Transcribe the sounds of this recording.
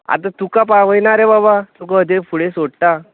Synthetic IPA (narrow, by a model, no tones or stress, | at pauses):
a̰t̪ãt̪ukapaʋəjnaɾɛbabat̪ukaəd̪efuɽesoɽt̪a